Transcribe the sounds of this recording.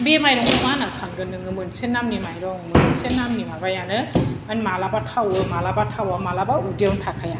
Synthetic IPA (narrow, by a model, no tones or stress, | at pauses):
bemajɾɔŋumanasanɡɯnɯŋɯmɯnsenːamnimajɾɔŋmɯnsenːamnimabajanɯanmalabatʰawɯmalabatʰawamalabaudiawŋtʰakʰaja